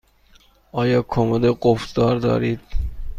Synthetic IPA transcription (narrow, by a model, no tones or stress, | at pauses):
ɒːjɒːkʰomod̪eɡofd̪ɒːɾd̪ɒ̰ːɾiːd̪̥